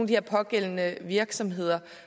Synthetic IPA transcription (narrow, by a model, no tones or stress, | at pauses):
nd̥ihɛɐ̰pʰɒ̽ɡ̥el̰nəʋiɐɡ̥sɒ̽mɦe̝ð̞̰ˠɐ